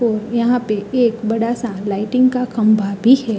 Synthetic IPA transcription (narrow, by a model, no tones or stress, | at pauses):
ɔɾjəɦãpeekbəɽasãlaiʈɪ̃ŋɡkakəmbʱabʱiɦɛ